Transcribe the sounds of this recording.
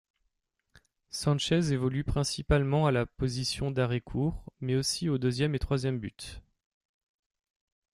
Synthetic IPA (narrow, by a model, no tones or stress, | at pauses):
sɑ̃ʃɛzevɔlypχɛ̃sipalmɑ̃alapozisjɔ̃d̪aʁekʰuʁmɛosiod̪øzjɛmet̪χwazjɛmbyt̪